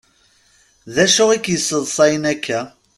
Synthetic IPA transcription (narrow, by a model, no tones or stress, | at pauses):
ðæʃʊʁikjəsːəðˤsˤɑjənækʰːæ